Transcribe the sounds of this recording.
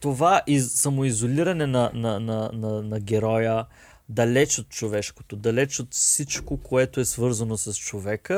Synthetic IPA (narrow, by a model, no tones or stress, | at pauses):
t̪ovaʔisɐmoizoliɾɐnɛnɐnɐnɐnɐnɐɡʲɛɾɔjə | d̪ɐlɛt͡ʃot̪̚t͡ʃovɛʃko̥t̪od̪ɐlɛt͡ʃot̪fsit͡ʃkokoɛt̪oɛsvɤɾzɐnosɐst͡ʃovɛkə